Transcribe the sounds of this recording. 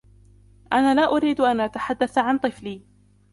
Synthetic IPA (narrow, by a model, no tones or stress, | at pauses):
ʔanaːlaːʔʊɾiːd̪ʔanʔat̪aħad̪ːaθʕant̪ˤɨfliː